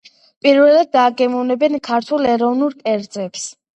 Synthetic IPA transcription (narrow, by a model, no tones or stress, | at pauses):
pʼiɾvɛlˠad̪̚ːaːɡɛmɔvnɛbɛnkʰaɾt̪ʰulˠɛɾɔvnuɾkʼɛɾd̪zʼɛps